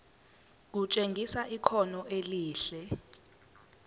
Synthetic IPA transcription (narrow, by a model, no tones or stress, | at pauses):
k̬ut͡ʃʼeŋɡʱisaʔikʰɔnɔʔeliːɬɛ